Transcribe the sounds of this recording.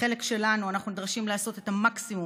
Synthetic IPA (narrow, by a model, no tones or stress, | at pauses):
e̞le̞kʃe̞lanuanaχnunid̪ʁaʃimlaːso̞te̞tamaksimu